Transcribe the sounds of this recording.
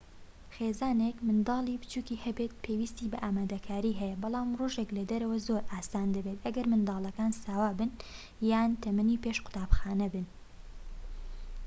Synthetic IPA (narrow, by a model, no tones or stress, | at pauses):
xeːzaːnekmɨnd̪ɑːlˠipɨ̥t͡ʃuːkiːhɐbet̪̚pʰewist̪iːbɐʔaːmaːd̪ɐkʰaːɾiːɦɛjɛbɑlˠaːmroʒeklɐd̪ɐɾɐwɐzoɾʔaːsaːnd̪ɐbet̪ʔɐɡɐɾmɨnd̪ɑːlˠɐkaːnsaːwaːbɨn | jaːnt̪ʰɐmɐnipeːʃqʊ̥t̪aːbxaːnɐbɨn